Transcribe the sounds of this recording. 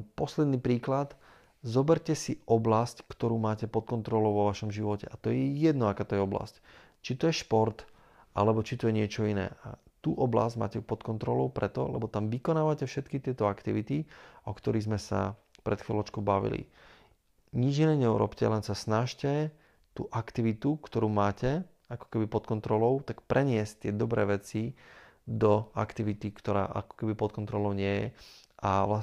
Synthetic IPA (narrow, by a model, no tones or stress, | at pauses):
pɔslɛd̪niːpɾiːklat̪ | zɔbɛɾcɛsiʔɔblasckt̪ɔɾuːmaːcɛpɔt̪̚kɔnt̪ɾɔlɔʊʋɔʋaʃɔmʒiʋɔcɛ̰ʔat̪ɔjɛjɛd̪nɔakaːt̪ɔjɛɔbla̰sc | t͡ʃit̪ɔjɛʃpɔɾt̪ | alɛbɔt͡ʃit̪ɔjɛɲɪɛt͡ʃɔinɛ̰ːʔa̰ | t̪uːʔɔbla̰zɟma̰ːcɛupɔt̪kɔnt̪ɾɔlɔʊpɾɛt̪ɔ̰lɛ̰bɔt̪amʋikɔnaːʋacɛfʃɛt̪kit̪ɪɛt̪ɔakt̪iʋit̪iʔɔkt̪ɔɾiɣzmɛsa̰pɾɛt̪xʋilɔt͡ʃkɔʊbaʋḭlḭ | ɲid͡ʒinɛːɲɛṵɾɔ̰pcɛ̰lɛnsasnaʃcɛ | t̪ṵːʔakt̪iʋit̪ukt̪ɔɾuːmaːcɛ | akɔ̥kɛbipɔt̪kɔnt̪ɾɔlɔʊt̪akpɾʔɛɲɪɛsc̚t̪ɪɛd̪ɔbɾɛːʋɛt͡si | d̪ɔa̰kt̪iʋit̪ikt̪ɔɾa̰ːʔa̰kɔ̥kɛbipɔt̪̚kɔnt̪ɾɔlɔʊɲɪɛjɛ̰aʋla